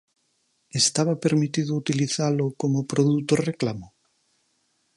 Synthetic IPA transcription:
est̪aβapeɾmit̪iðout̪iliθalokomopɾoðut̪oreklamo

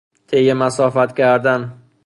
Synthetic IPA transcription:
t̪ʰejemæsɒːfæt̪kʲʰæɾd̪an

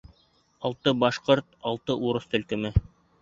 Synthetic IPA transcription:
ɑlˠt̪ɤbɑʃqoɾt̪̚ɑlˠt̪ɤʔuɾɤst̪ɘ̆lkɘ̆mɘ

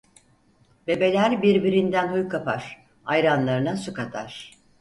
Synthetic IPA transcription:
be̞be̞lʲæɾbiɾbiɾind̪ænhujkʰapa̰ɾ̥ | ajɾanlˠaɾɯnasukat̪ʰa̰ɾ̥

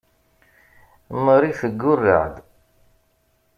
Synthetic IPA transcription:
məɾiθəɡːʊrːə̰ʕd̪

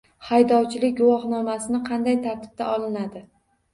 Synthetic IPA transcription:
hajd̪ɒwt͡ʃʰɪlɪk̚ʲɡʊwɒχnɒmasɪnɪqʰɑnd̪ajt̪ʰaɾt̪ʰɪ̥b̚t̪ʰaɒlˠɪnad̪ɪ

